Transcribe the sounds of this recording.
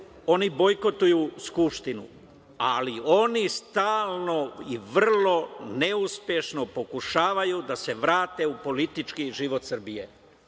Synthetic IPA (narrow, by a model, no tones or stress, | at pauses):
o̞nibo̞jko̞t̪ujuskupʃt̪inṵ | alio̞nist̪aːlˠno̞iʋrr̩lo̞neuspje̞ʃno̞po̞kuʃaːʋajud̪ase̞ʋɾaːt̪e̞upo̞lit̪it͡ʃkiʒiʋot̪sr̩bije̞